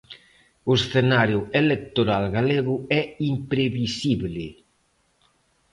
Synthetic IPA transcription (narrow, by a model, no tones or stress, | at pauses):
osθenaɾjʊelek̚t̪oɾalɣaleɣʊɛimpɾeβisiβlɪ